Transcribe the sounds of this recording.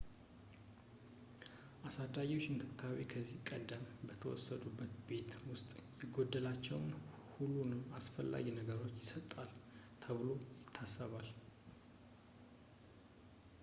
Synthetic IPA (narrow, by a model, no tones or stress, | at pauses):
ʔasad̪ajoʃɪnkʰɨkːaaβikʰəzːihkʼəd̪ːəmbət̪ʰəwɔ̰sːəd̪ubːət̪be̞t̪wʊst̪ʼjɛɡo̞d̪ːəlat͡ʃːɛwn | hulːunɨmasfəlːa̰ɡinəɡəɾo̞t͡ʃːjɪsət̪ʼːal | t̪ʰəβɨlo̞jɪt̪ʰːasːəβal